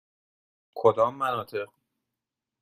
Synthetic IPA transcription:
kʰod̪ɒːmːænɒːt̪ʰe̞ʁ

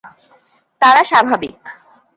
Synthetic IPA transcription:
t̪aɾaʃabʱabḭk

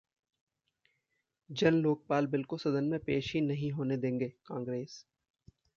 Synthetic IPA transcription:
d͡ʒɐnloːk̚paːlbɪlkosɐd̪ənmẽpeːʃɦinɐɦĩɦoːned̪ẽːŋɡeːkãːŋɡɾeːs

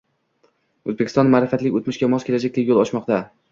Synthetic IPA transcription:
ɵzbekʲʰɪst̪ɒnmaːɾɪfat̪lɪkʲot̪mɪʃkʲamɒskʲelad͡ʒak̚ʲd̪ʰekʲjolˠɒʃmɒqt̪a

